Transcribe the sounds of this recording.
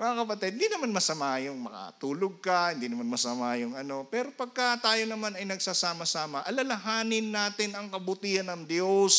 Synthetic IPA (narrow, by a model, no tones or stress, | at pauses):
mɐŋakɐpɐt̪id̪̚ɪnd̪inɐmanmɐsɐmajʊŋmɐ̰ka̰t̪uːloɡ̚kɐhɪnd̪inɐmanmɐsɐmaːjʊŋɐno̞pɛːɾo̞pɐɡ̚kɐt̪aːjo̞nɐmanɐjnɐɡsasaːmɐsaːmɐʔɐlɐlɐɦaːnɪnːaːt̪ɪnɐŋkɐbʊt̪iːhɐnːɐŋd̪jos